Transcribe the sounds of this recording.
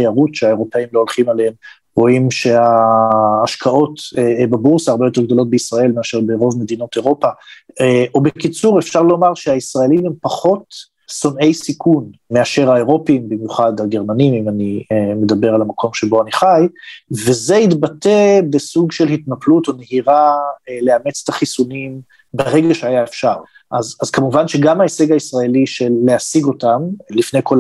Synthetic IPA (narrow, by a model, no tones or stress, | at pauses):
ejaʁutʃeaeʁo̞peimlo̞olχimalehem | ʁo̞imʃe̞aː | ʃkʰao̞t̪babuʁsaːʁbejo̞t̪e̞ʁɡ̚d̪o̞lo̞t̪̚beisʁae̞lmeaʃe̞ʁbeʁo̞vme̞d̪ino̞t̪e̞ʁo̞pa | obekit͡suʁefʃaʁlo̞maʁʃeaisʁae̞limempaχo̞t̪ | sone̞jsikʰunme̞aʃe̞ʁhaeʁo̞pimbimjuχadaɡe̞ʁmanimimanieme̞d̪abe̞ʁalamakʰo̞mʃe̞bo̞aniχajve̞zeit̪batebesuɡʃelhit̪naplut̪o̞nehiʁaleamet͡se̥t̪aχisunim | beʁeɡaʃeajaefʃaʁ | ʔazazkamuvanʃeɡamaese̞ɡaisʁae̞liʃelːeasiɡo̞tamlifne̞jkol